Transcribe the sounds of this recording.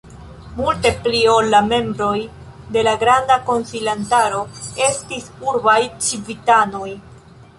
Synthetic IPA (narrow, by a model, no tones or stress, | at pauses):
multe̞plio̞lːame̞mbɾo̞j | de̞laɡɾandako̞nsilantaɾo̞e̞stisuɾbajt͡ʃivitano̞j